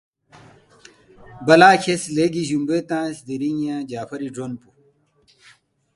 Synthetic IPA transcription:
bɐlaːkʰesleːɡiʑumbeːt̪ãːsd̪iɾiŋãːd͡ʑaːfɐɾiɖɾonpu

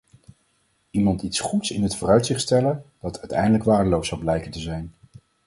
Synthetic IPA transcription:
imɑntitsχutsɪnɦətfʊːrœɥtsɪχtstɛləd̥ɑtʰœɥtɛ̰jndələkʋaːɹdəlowsːɑwblɛjkəntəzɛjn

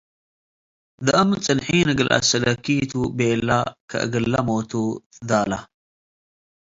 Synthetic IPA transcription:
d̪ɨʔɐmɨt͡sʼɨnħinɨɡɨlʔa̰sɐlɐkʰːit̪ʰubelːakʰɐ̰ʔɨ̰ɡɨlːamot̪ʰud̪ala

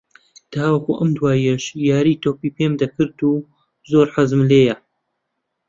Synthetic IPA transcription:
t̪ʰaːwɐkṵʔɐmd̪waːjɐʃjaːɾit̪oːpiːpemd̪ɐkɨɾd̪uː | zoːɾħazɨmleːjɐ

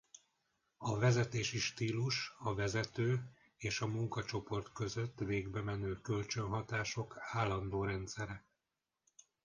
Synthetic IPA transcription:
ɒvɛzɛt̪eːʃiʃt̪iːluʃɒvɛzɛt̪øː | eːʃɒmuŋkɒt͡ʃo̞po̞rt̪kø̞zø̞t̪ːveːɡbɛmɛnøːkø̞lt͡ʃø̞nɦɒt̪aːʃo̞kaːlːɒnd̪oːɾɛnt̪sɛɾɛ

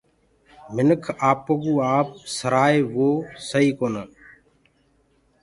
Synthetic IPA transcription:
mɪnəkʰaːpːəɡũːaːp̚səɾaːeːʋoːsəiːkoːnəː

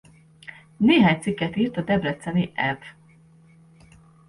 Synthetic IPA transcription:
neːɦaːɲt̪sikːɛt̪iːrt̪ɒd̪ɛblɛt̪sɛniʔɛv

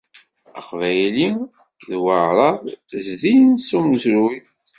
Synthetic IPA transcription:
əqvæjli | ðwəʕɾˤɑðˤzðijnsuməzɾuj

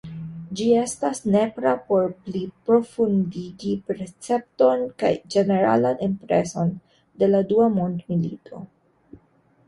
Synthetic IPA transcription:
d͡ʒie̞stasne̞pɾapo̞ɾplipɾo̞fundiɡipɾet͡se̞p̚to̞nka̰jd͡ʒe̞ne̞ɾa̰lanʔimpɾe̞̰so̞n | de̞laduamondmilḭtʰo̞̰

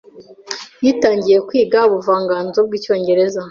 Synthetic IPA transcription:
jiːtaːɲɟije̞kwiːɡauβuvaːŋɡaːnzo̞b̚ɡiːco̞ːɲɟe̞ɾe̞za

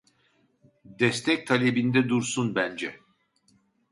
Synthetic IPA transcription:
d̪ɛst̪ʰɛc̚t̪ʰalʲebind̪ɛd̪uɾsunbænd͡ʒɛ

